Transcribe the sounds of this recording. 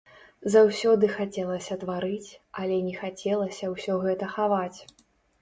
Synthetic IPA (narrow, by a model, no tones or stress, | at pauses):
zawsʲɔd̪ɨxat͡sʲɛlˠɐsʲɐt̪vaɾɨt͡sʲɐlʲɛnʲɛxat͡sʲɛlˠɐsʲɐwsʲɔɣɛt̪ɐxavat͡sʲ